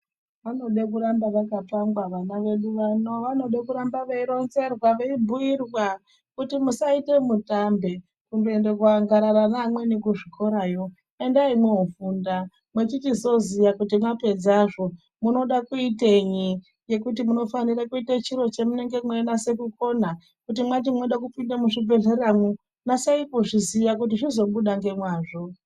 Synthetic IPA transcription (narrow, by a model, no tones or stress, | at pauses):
ʋano̞ɗekuɾambaʋakatamɡwaʋanaʋe̞ɗuʋanoʋano̞ɗekuɾambaʋeiɾo̞nze̞rwaʋeibʱuirwa | kutimusaite̞mutambe̞ | kunduende̞kwaŋɡaɾaɾanamwe̞nikuʐiko̞ɾajo̞ | e̞ndaimweufunda | mwet͡ʃitizo̞ziʋakutimwape̞d͡zaʐo | muno̞ɗakuiteɲi | je̞kut̬imuno̞fanirakuitat͡ʃiɾo̞t͡ʃe̞mune̞ŋɡe̞mwenase̞kuko̞na | kut̬imwantimoɗakupindamuʐib͡ve̞ɮeramu | nasaipoʐiziʋakut̬iʐizo̞ɓuɗaŋɡe̞mwaːʐo